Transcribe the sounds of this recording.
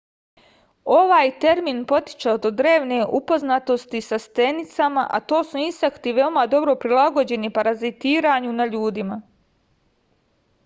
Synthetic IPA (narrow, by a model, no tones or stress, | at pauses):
o̞ʋaːjt̪e̞ɾmiːnpo̞t̪i̥t͡ʃad̪od̪ɾe̞ːʋne̞ʔupo̞znat̪o̞st̪isast̪e̞nit̪sama̰ʔa̰t̪o̞ːsuinst̪akt̪iʋe̞o̞mad̪o̞bɾo̞pɾilˠaɡo̞d͡ʑe̞nipaɾazit̪iːɾaɲunaʎuːd̪ima